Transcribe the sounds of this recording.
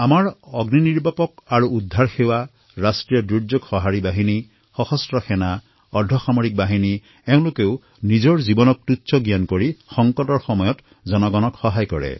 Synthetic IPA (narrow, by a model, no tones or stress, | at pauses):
amaɹɔɡniniɹbapɔkaɹuud̪ʱːaɹxewa | ɹasʈɾijɔdud͡ʒɔkxɔɦaɹibaɦini | xɔxɔstɹɔxɛna | ɔdʱːɔxamɔɹik̚baɦini | ew̃lokew | nizɔɹzibɔnɔk̚tutːt͡ʃɔɡjankɔɹixɔŋkɔtɔɹxɔmɔjɔt | zɔnɔɡɔnɔkxɔɦajkɔɹḛ